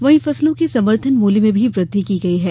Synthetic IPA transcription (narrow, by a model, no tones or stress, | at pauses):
ʋɐɦĩfɐslõkisɐməɾt̪ʰənmuːlimẽbʱiʋɾɪd̪ʱːikiɡɐiɦɛː